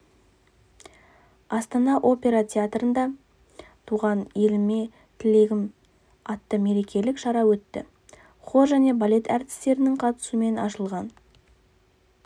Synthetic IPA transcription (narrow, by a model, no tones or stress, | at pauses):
ɑst̪ɑnɑʔo̞pʲe̞ɾɑt̪ʲʰeat̪rənd̪ɑ | t̪ʰuʁɑnje̞lɪme̞ | t̪ʰɪle̞ɡʲɪm | ɑt̪ːəme̞ɾe̞kʲe̞lɪkʃɑɾɑwɵt̪ːɪ̰ | χo̞ʒæne̞balʲe̞t̪æɾt̪ɪ̥st̪e̞ɾɪnɪŋqʰɑt̪ə̥sume̞nɑʃəlˠʁɑn